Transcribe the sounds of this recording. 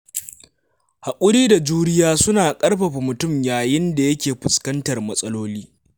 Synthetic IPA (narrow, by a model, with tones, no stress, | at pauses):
ha˨kʷʼʊ˦ɽiː˦da˨d͡ʒuː˦ɽɪ˦jaː˦sʊ˦naː˨kʼɐ˦rɸɐ˨ɸi˨mʊ˨tʊ˦˨mjaː˨jɪ˦nda˨jɐ˦kʲeː˨ɸʊ˨skɐ˦ntɐ˨rmɐ˦sʼɐ˦loː˦liː˦